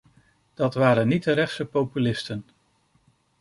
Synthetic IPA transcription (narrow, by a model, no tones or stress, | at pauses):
d̥ɑtʋaːɾənːit̚əɾɛχsəpowpylɪstən